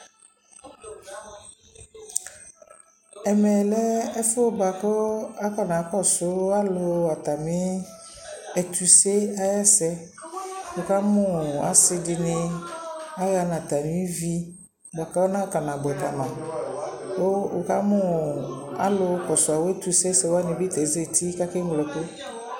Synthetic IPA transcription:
ɛ˨mɛ˨lɛ˦ɛ˦fo˦ba˨kɔ˦a˦ka˨nã˨˦kɔ˦˨sʊ˦a˦lʊ˦a˨t̪a˨mɪ̃˦ | ɛ˨t̪u˨se˦a˦ja˦sɛ˦ | wo˨ka˦mʊ̃˦a̰˨sɪ˦dɪ˨nɪ̃˦ | a˦ɣa˨nã˨t̪a˨nĩ˨˦i˦vi˦˨ | ba˨ka˦nã˦ka˨nã˨bɛ˨t̪a˨nã˨ | wo˦wo̰˨ka˦mʊ̃˦ | a̰˦lʊ˧kɔ˨sʊ˨a˨wɛ˦t̪u˨se˦sɛ˨wa˦nɪ̃˨bɪ˦t̪ɛ˨˦ze˨ti˦ka˦kɪ˦ŋ˦ɡlɔ˨ke˦

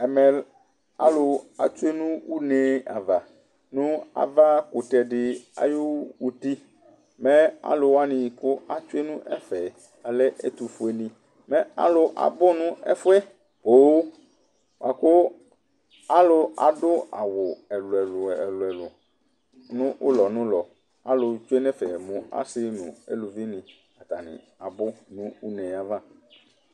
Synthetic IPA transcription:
ɛ˨mɛ̃˨ | a̰˦lo˨a̰˨t͡ʃu˦e˦nũ˦wu˦nɛ̃˦a̰˨va˨ | nũ˦a̰˨va˦kʊ˨t̪ɛ˨ɖɪ˨a̰˨jo˦wu˨t̪i˦ | mɛ̃˦a̰˨lo˨wa˦nĩ˨kʊ˦a˨t͡ʃʊ˦e˦nũ˦ʔɛ˦fɛ˨ | a˨lɛ˦ʔe˦t̪u˨fʊ˨e˨nĩ˨ | mɛ̃˦a̰˨lʊ˨ʔa̰˨bʊ˦nũ˦ɛ̰˦fʊ˦ɛ˦ | b̥oː˦ | wa˨kʊ˦ | a˦lʊ˨a̰˨dʊ˦a˨wʊ˨ɛ˨lʊ˨ɛ˨lʊ˨lʊ˨ɛ˨lʊ˨ | nʊ̃˦ʔʊ˦lɔ˨nʊ̃˦lɔ˨ | a˦lʊ˨t͡ʃʊ˦e˦nɛ˦fɛ˨mʊ̃˨a̰˦sɪ˦nʊ̰̃˨ḛ˦lʊ˨vɪ˦nɪ̃˨ | a˨t̪a˨nɪ̰̃˨ | a˨bʊ˦nʊ̃˦ʊ˦nɛ̃˨ja˦vã˦

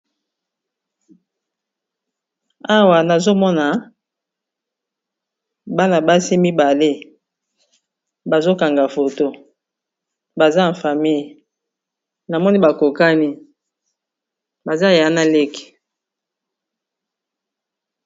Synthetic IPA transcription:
a˦wa˨na˨zo˦mɔ˦na˨ | ba˦na˨ba˦si˦mi˦ba˨le˦ | ba˨zo˦ka˨ŋɡa˨fo˨to˦ | ba˨za˦˨fa˨mi˦j | na˨mɔ˦ni˦ba˨ko˨ka˦ni˦ | ba˨za˦ja˨˦na˦le˦ke̥˨

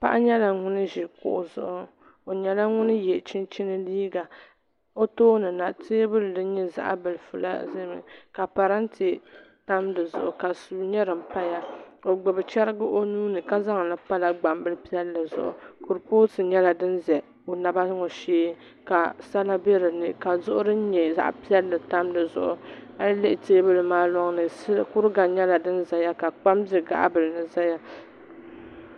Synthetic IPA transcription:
pa̰˦ʔa˦ɲɛ˦la˨ŋʊ˦nɨ˦ʒi˨kʊ̰˨ʔʊ˨zʊ̰˨ʔʊ˦ | o˨ɲɛ˨la˦ŋʊ˦nɨ˦jɛ˨t͡ʃɪ˦nt͡ʃi˦nɨ˦liː˦ɡa˨ | o˦toː˦nɨ˨na˨te˦bʊ˦ldɨ˦n˦ɲɛ˦za̰˦ʔa̰˦bɨ˨lɨ˨fʊ̰˨la̰˦ze˦mɨ̰˨ka˨pa˨ɾa˦n˦te˨ | ta˦mdɨ˨zʊ̰˨ʔʊ˨ka˨su˨ɲɛ˦ɾɨ˨m̩˦pa˦ja˦o˨ɡ͡bʊ˨bɨ˨t͡ʃɛ˦ɾɨ˦ɡɨ˦ʔo˦nuː˦nɨ˨ka˦za˦ŋ˨lɨ˦pa˦la˦ɡ͡ba˨mbɨ˦lɨ˦pi˦ɛ˦lːɨ˨zʊ̰˨ʔʊ̰˨kʊ˨ɾpoː˦tɨ˨ɲɛ˦la˨dɨ˦nzɛ˨ | o˨na˨ba˦ŋo˨ʃeː˦ | ka˨sa˦la˦bɛ˦ɾɨ˨nɨ˨ka˨zʊ˦ʔʊ˦ɾɨ˦n̩˦ɲɛ˨za̰˦ʔpi˦ɛ˦lːɨ˨ta˦mdɨ˨zʊ̰˨ʔʊ̰˨a˦lɨ˦lɨ˦ʔɪ˨teː˦bɨ˦lɨ˨maː˦lɔ˦ŋnɨ˨˦kʊ˦ɾɨ˦ɡa˨ɲɛ˦la˨dɨ˦nza˨ja˦ka˨k͡pa˦mzɨ˦ɡa̰˨ʔa̰˦bɨ˨lɨ˨nɨ˨za˦ja˦

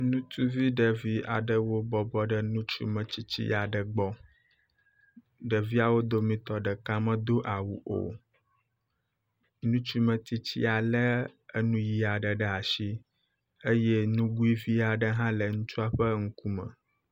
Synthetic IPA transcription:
nũ˦t̪u˦vi˦ɖə˨vi˦a̰˨ɖə˨wo˦bɔ˨bɔ˦ɖə˦nũ˦t͡ʃṵ˦mə̃˨t͡ɕi˦t͡ɕḭ˦a˨ɖə˨ɡ͡bɔ˦ | ɖə˨vi˦a˨wo˦d̪o˦mĩ˦t̪ɔ˨ɖə˨kã˦mə̃˦d̪o˦ʔa˨wṵ˨ʔo̰˨ | nũ˦t͡ʃu˦mə̃˨t̪i˦t͡ɕḭ˦a˨lə˦ə˦nũ˦ji˦a˨ɖə˨ɖɛ˦a˨ʃi˦ | e˦je˦nũ˦ɡu˦i˦vi˦a˨ɖə˦ɦã˦lə˨ŋũ˦t͡ʃu˦a˦ɸə˦ŋ̩˦ku˦mə̰̃˨

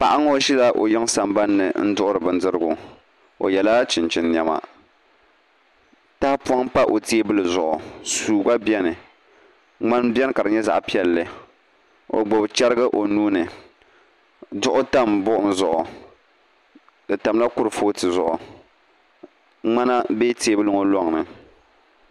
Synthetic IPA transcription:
pa˨ʔa˦ŋ˦o˦ʃi˦la˦ʔo̰˨jɔ˦ŋ˦sa˨mba˦nːɨ̰˨n̩˦dʊ˦ʔʊ˦ɾɨ˨bɨ˨n˦dɨ˦ɾɨ˦ɡʊ˨ | o̰˨jɛ˨la˦t͡ʃɪ˨nt͡ʃɪ˨nː˨ɛ˨ma̰˨ | ta˦pu˦a˦ŋ˦pa˦ʔo˨ti˦e˦bɨ˦lɨ˨zʊ˨ʔʊ˨suː˨ba˦bjɛ˦nɨ˨ | ŋ͡ma˦nbjɛ˦n˦ka˨ɾɨ˨ɲɛ˦za̰˨ʔpi˦ɛ˦lːɨ˨ | o̰˨ɡ͡bo˨bt͡ʃɛ˦ɾɨ˦ɡɨ˦ʔo˨nuː˦nɨ˨ | dʊ˦ʔʊ˦ta˦˨mbʊ˦ʔʊ˦n˦zʊ˨ʔʊ˨ | dɨ˨ta˨m˦la˦kʊ˦ɾɨ˨foː˦tɨ˨zʊ˨ʔʊ˨ | ŋ͡ma˦na˦beː˦teː˦bɨ˦lɨ˦ŋo˦lɔ˦ŋnɨ˨

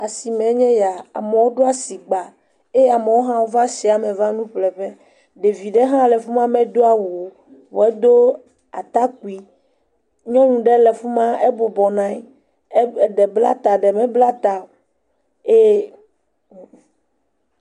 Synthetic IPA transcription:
a˨si˨mɛ̃˨˦ɲɛ̃˦ja˨a̰˨mɛ˨wo˦ɖo˦a˨si˨ɡ͡ba˨ | e˦a˨me˨wo˦ɦã˦wo˦va˦si˨a˨mɛ̃˨va˦nũ˦ɸlɛ˨ɸɛ˦ | ɖe˨vi˨ɖɛ˦ɦã˦lɛ˨fu˦mã˦mɛ̃˦d̪o˦a˨wu˨o˨ | wo˨e˦d̪o˦ | a̰˨t̪a˦ku˨i˨ | ɲɔ̃˦ŋũ˨ɖɛ˦lɛ˨fu˦mã˦e˦bo˨bɔ˨nã˦i˦˨ | ɖɛ˨bla̰˦t̪a˨ɖɛ˨mɛ̃˦bla˦t̪a˨ | e˦

